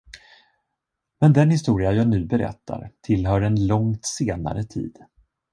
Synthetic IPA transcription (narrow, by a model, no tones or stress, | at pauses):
mɛnd̪ɛnhɪst̪uːɾɪajɑːnʉ̟ːbɛɾɛ̰t̪ʰːa̰ɾt̪ʰɪlɦœːɾɛnlɔŋt̪seːna̰ɾət̪ʰḭːd̪̥